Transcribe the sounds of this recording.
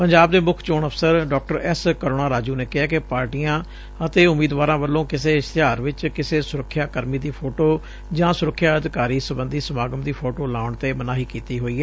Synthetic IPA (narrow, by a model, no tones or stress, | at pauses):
pəɲd͡ʒaːbd̪eːmʊkʰt͡ʃoːɳəpʰsəɾɖɔːk̚ʈəɾɛskəɾoːnaːɾaːd͡ʒuːneːkɪɦaːkɪpaːɾʈijãː | ət̪eːʊmiːd̪ʋaːɾãːʋəlːõːkɪseːɪst̪ɪɦaːɾʋɪt͡ʃkɪseːsʊɾəkʰːjaːkəɾmiːd̪iːpʰoːʈoː | d͡ʒãːsʊɾəkʰːjaːəd̪ɪkaːɾiːsəbə̃nd̪iːsəmaːɡəmd̪iːpʰoːʈoːlaːʊɳt̪eːmənaːɦiːkiːt̪iːɦoːiːɦɛː